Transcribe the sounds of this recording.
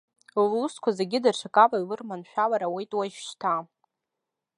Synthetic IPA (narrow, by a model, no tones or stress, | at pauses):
llːuskʷʰazeɡʲɪdarʂʰakʼalailɨrmanʃᶣalaɾawejtʼwaiʃt͡ʃtʰa